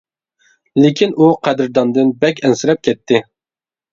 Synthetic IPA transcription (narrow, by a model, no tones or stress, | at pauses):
lɪkʲʰinuqʰæd̪ɪɾd̪ɑnd̪ɨnbɛkʲɛnsɪɾɛp̚kʲʰɛt̪ʰːɪ